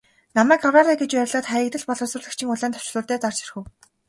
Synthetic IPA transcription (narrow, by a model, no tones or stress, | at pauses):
namæːkawraɾaːɡet͡ɕpæɾʲɮaːt̪χæːɪ̆k̚t̪ɘ̆ɮpɔɮɞ̆sʊːɮɘ̆kt͡ɕʰĭŋʊɮæːnt̪ɔ̥w̥t͡ɕ̆ɮʊːrt̪æːt͡sar̥t͡ɕirxɘ̆w